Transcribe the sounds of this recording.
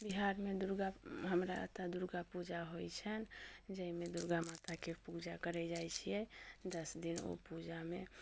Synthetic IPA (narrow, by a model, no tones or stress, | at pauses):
biɦaɾmed̪uɾɡaɦəmɾaə̰t̪ad̪uɾɡapud͡ʒaɦojt͡ʃʰənd͡ʒəimed̪uɾɡamat̪akepud͡ʒakəɾɛd͡ʒajt͡ʃʰijɛd̪əsd̪ino̰pud͡ʒame